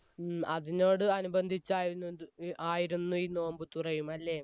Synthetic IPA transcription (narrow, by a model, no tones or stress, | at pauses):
ɐðino̞ːɽɨɐnubɐnd̪ʱit͡ɕːaːj | aːjiɾunːuiːno̞ːmbɨt̪urɐjumɐlːeː